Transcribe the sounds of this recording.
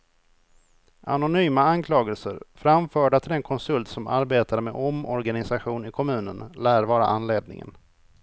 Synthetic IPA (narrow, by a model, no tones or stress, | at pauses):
ʔa̰nʊnyːmaankʰlɑːɡəlsəɾfɾamfœːɖat̪ʰɪlɛnkʰɔnsɵlt̪sɔma̰ɾbeːt̪aɾəmeʔɔmɔɾɡanɪsaɧuːnɪkʰɔmʉ̟ːnənlæːɾvɑːɾa̰ʔanleːd̪nɪ̰ŋə̰n